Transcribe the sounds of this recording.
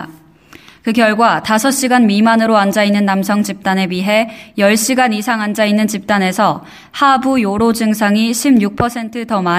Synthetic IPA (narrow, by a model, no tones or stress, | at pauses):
kɯkjʌɭɡwatasʰʌɕ͈iɡanmimanɯɾoand͡ʑainːɯnːamsʰʌŋt͡ɕip̚t͈ane̞biɦe̞jʌɭɕ͈iɡanisʰaŋand͡ʑainːɯnt͡ɕip̚t͈ane̞sʰʌ | habujoɾod͡ʑɯŋsʰaŋiɕʰimɲuk̚pʰʌsʰe̞ntʰɯtʌma